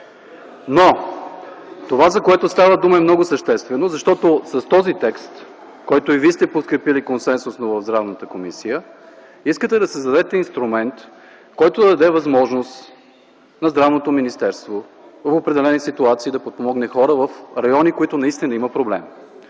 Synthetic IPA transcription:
no | t̪ovazɐkoɛt̪ost̪avəd̪uməɛmnɔɡʊsəʃt̪ɛst̪vɛnozɐʃt̪ɔt̪osɐst̪ɔzit̪ɛkst̪ | kɔjt̪oivist̪ɛpot̪kɾɛpilikonsɛnsʊsnovɐvzd̪ɾavnət̪əkomisijə | iskət̪ɛd̪ɐsɛzd̪ɐd̪ɛt̪ɛinst̪ɾumɛnt̪ | kɔjt̪ʊd̪ɐd̪ɐd̪ɛvɐzmɔʒnost̪ | nɐzd̪ɾavnot̪ominist̪ɛɾst̪vovɐfopɾɛd̪ɛlɛnisit̪uat̪siːd̪ɐpot̪̚pomɔɡnɛxɔɾəvəfɾɐjɔnikoit̪ʊnɐist̪inəiməpɾoblɛ̰m

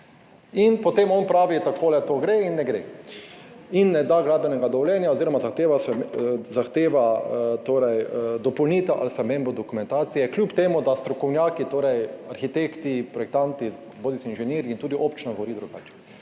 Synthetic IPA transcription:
inpɔt̪emɔnpɾaːʋit̪akoːlɛt̪oːɡɾeinːɛɡɾḛ | inːɛd̪aɡɾaːd̪bɛnɛɡad̪ɔʋɔljɛnjaoziɾɔmazaxt̪eːʋaszaxt̪eːʋat̪oːɾɛjd̪ɔpɔwniːt̪aʔa̰lspɾɛmẽmbɔd̪ɔkumɛ̃nt̪aːt̪sijɛklʲjuːpt̪eːmud̪ast̪ɾɔkɔwnjaːkit̪oːɾɛjaɾxit̪ekt̪ipɾɔjɛk̚t̪ãnt̪i | boːd̪isinʒɛneːɾint̪uːd̪iʔoːpt͡ʃnɔɡoʋɔɾiːd̪ɾuɡaːt͡ʃɛ̥

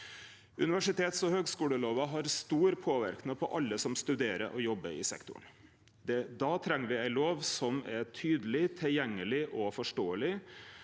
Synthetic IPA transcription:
ʉ̰nɪʋæʂɪt̪ʰeːt̪sɔhøːɡskuːləloːʋɑɦɑɾst̪uːɾpʰoːʋæ̰ɾknəpʰɔʔɑlːəsɔmst̪ʉd̪eːɾə̰ʔɔjɔbːəɪ̰sɛ̰kt̪ʊ̰ɳ | d̪ɛd̪ɑːt̪ʰɾɛŋːəɾʋɪæɪloːʋsɔmɛʈʰyːd̪əlɪt̪ʰɛljɛŋːəlɪʔɔfɔʂʈoːəlɪ

